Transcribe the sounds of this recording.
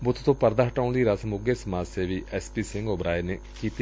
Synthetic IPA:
bʊt̪ʰt̪õːpəɾd̪aːɦəʈaːʊnd̪iːɾəsmʊɡeːsəmaːseːʋiːʔɛːspiːsɪ̃ŋɡoːbɾaːeneː | kiːt̪iː

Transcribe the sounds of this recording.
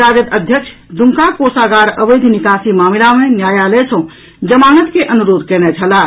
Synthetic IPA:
ɾad͡ʒət̪əd̪ʱjəkt͡ʃʰ | d̪uŋkakosaɡaɾəbəjd̪ʱnikasimamilamenjajalɛt͡ʃʰə̃ | d͡ʒəmanət̪keʔənuɾod̪ʱkɛnɛt͡ʃʰəla

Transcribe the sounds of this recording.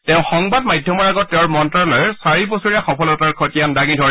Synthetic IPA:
tɛʊ̃xɔŋbadmajdʱjɔmɔɹaɡɔtːɛʊ̃ɹmɔntɹalɔjsaɹibosuɹiaxɔpʰɔlɔtaɹkʰotijandaɡidʱɔɹ

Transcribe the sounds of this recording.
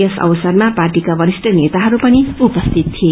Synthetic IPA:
esʌ̰wsʌrmaparʈikabʱʌɾisʈʰʌnet̪aɦʌɾupʌniupʌst̪ʰit̪̚t̪ʰie

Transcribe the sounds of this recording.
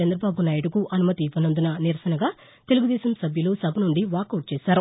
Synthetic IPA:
t͡ʃɐnd̪ɾɐbaːbunaːjɐʈukuʔɐnumɐt̪iʋɐnɐnd̪unɐniɾɐsɐnɐɡaː | t̪e̞luɡud̪ɛːʃɐmsɐbʱjɐloːsɐbʱɐnuɳɖiʋaːkɐwʈ̚t͡ʃɛːʃaːɾu

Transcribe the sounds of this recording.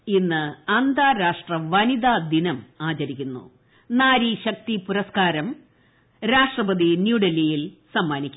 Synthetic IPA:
inːɨɐnd̪ʱaːɾaːʂʈrɐʋɐnid̪aːd̪inɐmaːt͡ɕɐɾikʲːunːṵ | naːɾiɕɐk̚t̪ipuɾɐskaːɾɐm | ɾaːʂʈrɐbɐd̪injuːɖɐlːijilsɐmːaːnikʲː

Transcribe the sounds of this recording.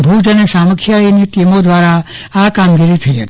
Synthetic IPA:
bʱud͡ʒənesaməkʰjainiʈimod̪ʋaɾa | akamɡiɾit̪ʰəiɦə̰t̪i

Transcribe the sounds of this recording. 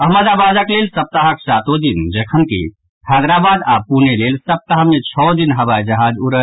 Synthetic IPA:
əɦməd̪abad̪əklelsəp̚t̪əɦəksat̪od̪ind͡ʒekʰənkḭ | had̪ɾabad̪apunelelsəp̚t̪əɦəmet͡ʃʰɔd̪inɦəbajd͡ʒəɦad͡ʒuɾə

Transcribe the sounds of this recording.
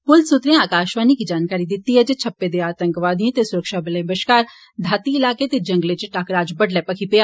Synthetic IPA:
pʊlsʊt̪ɾẽaːkaːʃʋaːnikid͡ʒaːnkaːɾid̪ɪt̪ːiɦɛd͡ʒet͡ʃʰɐpːed̪eaːt̪ə̃ŋkʋaːd̪iẽt̪esʊɾəkʃaːbɪlẽbəʃkaːɾ | d̪ʱaːt̪iɪlaːket̪ed͡ʒɐ̃ŋɡlet͡ʃʈaːkɾaːd͡ʒbəɖlɛːpɐkʰipeaː

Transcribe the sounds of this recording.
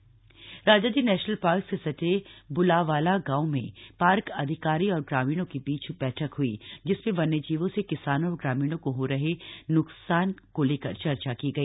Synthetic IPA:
ɾaːd͡ʒad̪iːnɛːʃnəlpaːɾksesɐʈebʊlaʋaːlaɡãːumḛ̃paːɾkɐd̪ʱɪkaːɾiɔːɾɡɾaːmiːɽ̃õkibiːt͡ʃbɛːʈʰəkɦuḭd͡ʒɪsmẽʋɐnːed͡ʒiːʋõsekɪsaːnõɾɡɾaːmiːɽ̃õkoɦoɾɐɦenʊksaːnkoleːkɐɾt͡ʃɐɾt͡ʃakiɡɐiː

